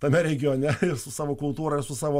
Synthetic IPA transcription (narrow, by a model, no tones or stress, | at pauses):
t̪ɐmʲɛɾʲɛɡʲɪjoːnʲɛɪsʊsɑːʋoːkʊlˠt̪uːɾɐɪɾsʊsɑːʋoː